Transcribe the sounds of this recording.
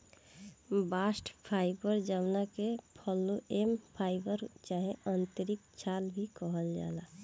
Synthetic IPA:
baːsʈpʰaːɪbəɾd͡ʒəmnakepʰɔlːoʔempʰaːɪbəɾt͡ʃaɦẽənt̪əɾikt͡ʃʰaːlbʱikɔɦəld͡ʒa̰ːla

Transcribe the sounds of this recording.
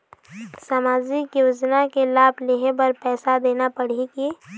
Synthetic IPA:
samaːd͡ʒikjoːd͡ʒnakelaːbʱleɦebəɾpɛːsad̪eːnapəɽ̤ike

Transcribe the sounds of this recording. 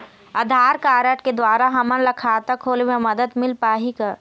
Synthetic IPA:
ɐd̪ʱaːɾkaːɾəʈked̪waːɾaɦɐmə̃nlɐkʰaːt̪akʰoːlmẽmɐd̪əd̪mɪlpaːɦika

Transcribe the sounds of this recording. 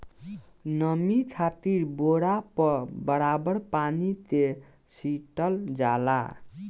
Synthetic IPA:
nʌmit͡ʃʰat̪iɾboɽapʌbəɾabəɾpanit̪e | siʈʌld͡ʒa̰la̰

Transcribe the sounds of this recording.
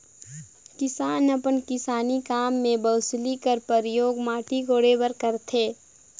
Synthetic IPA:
kɪsaːnɐpənkɪsaːnikaːmːẽbəːslikəɾpəɾɪjoːɡmaːʈiɡoːɽebəɾkɐɾt̪ʰeː

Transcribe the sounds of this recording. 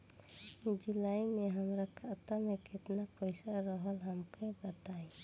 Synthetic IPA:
d͡ʒilaimeɦəmɾakʰat̪ameket̪napəɪsaɾəɦəlɦəmkebət̪aẽ

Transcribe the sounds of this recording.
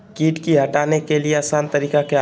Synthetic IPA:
kiːʈkiɦɐʈaːnekelieɐsaːnt̪ɐɾiːkake

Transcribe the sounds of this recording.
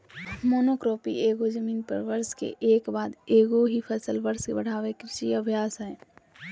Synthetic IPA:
moːnokɾoːpḭeːɡod͡ʒəmiːnpə̰ɾʋəɾskḛʔeːkbaːd̪eːɡoɦipʰəsəlʋəɾskebəɽ̤aːʋekɪsiəbʱjaːsɦɛː

